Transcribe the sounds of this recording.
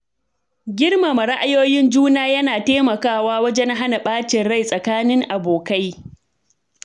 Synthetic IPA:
ɡʲɪ˦rma˨mɐ˨ɽa˦ʔa˦joː˦jɪ˦nd͡ʒuː˦naː˦jɐ˦naː˨teː˦mɐ˨kaː˦˨waː˦wɐ˦d͡ʒɛ˦ŋɦa˦na˨ɓaː˦t͡ʃɪ˨nɽa˦˨jsʼɐ˨kaː˦nɪ˦ŋʔa˨boː˨ka˦j

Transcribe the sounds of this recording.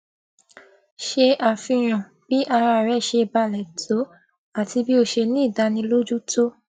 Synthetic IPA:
ʃe˧a˨fĩ˧j̃ɔ̃˨ | b̥i˨˦ʔa˧ɾa˧˨ɾɛ˦˨ʃe˧˨ba˧˨lɛ˨tʰo˨˦ | a˨ti˧bi˦o˧˨ʃe˧nĩ˦˨da˨˦nĩ˧lo˦d͡ʒu˦to˦

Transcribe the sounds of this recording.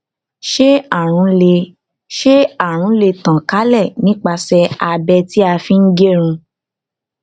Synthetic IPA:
ʃe˦a˦˨ɾ̃ũ˨˧˦le˧ | ʃe˦a˦˨ɾ̃ũ˨˦le˧tã˨ka˨˦lɛ˦˨nĩ˨˦k͡pa˧sɛ˧a˧bɛ˧ti˦a˧fĩ˦n̩˦ɡe˦ɾ̃ũ˧

